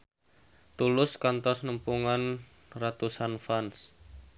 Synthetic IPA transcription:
t̪ulʊskant̪ɔsnəmpuŋan | rat̪usanfans

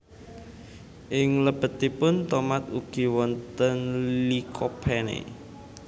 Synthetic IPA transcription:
ʔɪŋləb̥ə̤t̪ipʊnt̪omat̪uɡ̥i̤wɔnt̪ənlikʰopʰenḛ

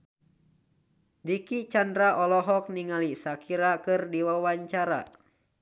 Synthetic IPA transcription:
dikit͡ʃandɾaʔɔlɔɦɔk̚niŋalisakʰiɾakɨrdiwawaɲt͡ʃaɾa̰

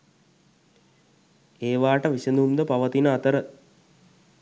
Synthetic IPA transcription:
eːʋaːʈəʋisenumd̪əpaʋət̪inəat̪əɾə

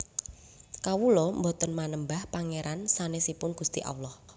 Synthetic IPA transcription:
kawulɔmbot̪ənmanəmbahpaŋeɾʔansanesipʊnɡ̥ust̪ḭʔa̰wlɔh

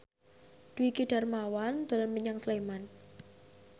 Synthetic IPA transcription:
d̥uwikiɖ̥a̤rmawand̪̥o̤lɔnməɲaŋsleman

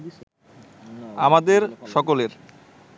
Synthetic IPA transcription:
amad̪eɾʃɔkoleɾ

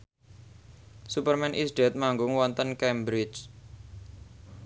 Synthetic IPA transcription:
supərmɛnʔisɖɛt̪̚maŋɡʊŋwɔnt̪ənkɛmbɾɪt͡ʃ

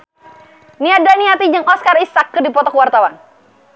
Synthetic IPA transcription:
niadaniap̪iɲd͡ʒəŋɔskarisakːədipɔt̪ɔkəwart̪awan

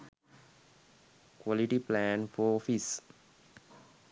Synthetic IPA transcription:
kʋɔliʈiplæ̃nfɔɔfis

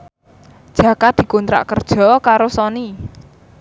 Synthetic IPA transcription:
d̥ʒ̥ä̤kad̪̥i̤kunt̪ɾa̰ʔkərd̥ʒ̥ɔ̤kaɾosɔni

